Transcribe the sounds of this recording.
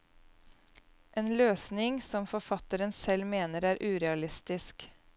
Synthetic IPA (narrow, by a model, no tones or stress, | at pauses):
ʔeːnløːsnɪŋsɔmfɔfɑt̪əɾənsɛlmeːnəɾæːɾʔʉːɾɛɑlɪst̪ɪsk